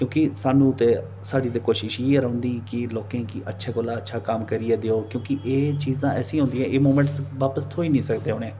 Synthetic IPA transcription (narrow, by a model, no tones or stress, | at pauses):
kjõːkɪsaːnũːt̪eː | saːɖiːt̪eːkoːʃɪʃieɾəõːnd̪iːkɪloːkẽːkɪʔətːʃʰaːkoːlaːətːʃʰaːkamkəɾɪjaːd̪eːoːkjõːkiʔeːt͡ʃiːzãːɛːsĩːɦõːnd̪iːɛ̃ːʔeːmoːmɛ̃ːɳʈsʋaːpəst̪ʰoːiːnĩːsəkd̪eːɦoːneː